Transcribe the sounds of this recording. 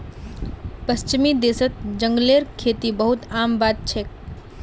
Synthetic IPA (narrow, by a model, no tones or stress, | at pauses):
pəst͡ʃmid̪esət̪̚d͡ʒə̃ŋɡleːɾkʰeːt̪ibəɦut̪aːmbaːt̪̚t͡ʃʰe